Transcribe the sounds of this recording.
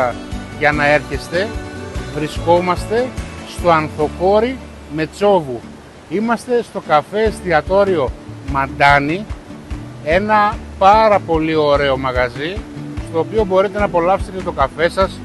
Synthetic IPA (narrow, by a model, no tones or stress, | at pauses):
ɐ | ʝɐnɐe̞ɾçest̪e̞vɾisko̞mɐst̪e̞st̪o̞ɐnθo̞ko̞ɾi | me̞t͡so̞vu | imɐst̪e̞st̪o̞kɐfe̞st̪iɐt̪o̞ɾio̞mɐnd̪ɐni | e̞nɐpɐɾɐpo̞lio̞ɾe̞o̞mɐɣɐzist̪o̞ːpio̞bo̞ɾit̪e̞nɐpo̞lɐfsetet̪et̪o̞kɐfe̞sɐs